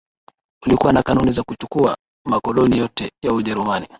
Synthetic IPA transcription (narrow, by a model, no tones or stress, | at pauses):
kulikuwanakanunizakut͡ʃukua | makɔlɔnijɔtɛjauʄɛɾumani